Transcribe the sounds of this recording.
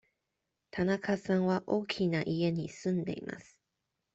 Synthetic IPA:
t̪ʰanakʰasãŋ̃βaʔoːkʲʰinaʔie̞ɲ̟isɨ̃nd̪e̞̰ḭma̰sɨ̥

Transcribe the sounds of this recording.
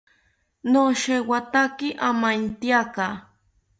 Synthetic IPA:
noʃewat̪akɪʔamant̪jaka

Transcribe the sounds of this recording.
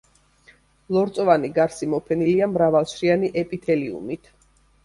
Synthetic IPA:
lˠɔɾt̪sʼɔvaniɡaɾsimɔpʰɛniliamɾavalˠʃɾianiʔɛpʼit̪ʰɛliṵmit̪ʰ

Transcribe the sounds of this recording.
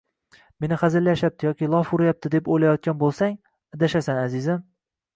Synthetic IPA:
me̞nɪχazɪlːaʃjap̚t̪ʰɪjɒkʲɪlˠɒfʊɾɪjap̚t̪ʰɪd̪epojlajɒt̪̚kʲanbolˠsaŋ | ad̪aʃasanazɪzɪm

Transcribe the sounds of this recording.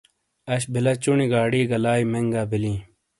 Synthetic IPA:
ɐɕ̬bilɐt͡ɕuniɡaːɽiːɡɐlaːimeŋɡaːbilĩː

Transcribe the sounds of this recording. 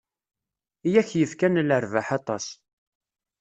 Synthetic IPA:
ijæçjəfkænləɾvaħɑt̪ˤɑs

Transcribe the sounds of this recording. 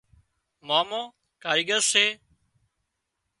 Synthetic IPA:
maːmõː | kaːɾiːɠəɾseː

